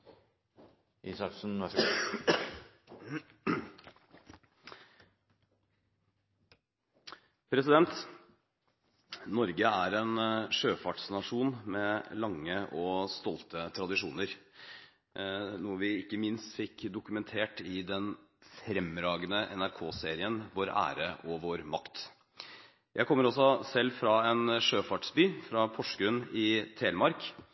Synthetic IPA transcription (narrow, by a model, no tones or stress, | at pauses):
ʔisɑsn̩ʋæ | pʰɾɛsɪd̪ɛnt̪ | nɔɾɡəæɾɛːnʂøːfɑʈsnɑʂuːnmɛlɑŋːəʔɔst̪ɔlt̪ət̪ʰɾɑd̪ɪʂuːnəɾ | nuːəʋɪɪkːəmɪnst̪fɪkːd̪ʊkʉmɛnt̪ʰeːʈɪd̪ɛnfɾɛmɾɑːɡənəʔɛ̰næɾkʰoːseːɾɪənʋoːɾæ̰ːɾəʔɔʋoːɾmɑkt̪ | jʔæɪkʰɔmːəɾɔsɔsɛlːfɾɑɛnʂøːfɑʈsbyːfɾɑpʰɔʂkʉnɪt̪ʰɾeːlmɑɾk